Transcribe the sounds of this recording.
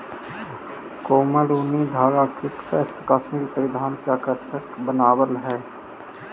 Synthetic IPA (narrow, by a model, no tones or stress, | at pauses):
koːmaɾoːnid̪ʱaːɡaːkɪkpeːst̪ʰəkaːsmiːɾpəɾɪd̪ʱaːnkakəɾsəkbənaːbəlɦɛː